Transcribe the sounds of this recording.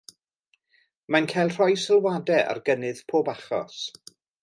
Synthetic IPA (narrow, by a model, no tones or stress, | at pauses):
mankʰajlˠr̥ɔjsəlˠwadɛa̰rɡənɨð̥pʰoːbaχɔ̰s